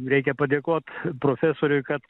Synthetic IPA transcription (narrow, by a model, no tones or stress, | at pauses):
ɾʲɛɪkʲɛpɐd̪ʲeːkoːt̪pɾoːfʲæsoːɾʲʊɪkɐt̪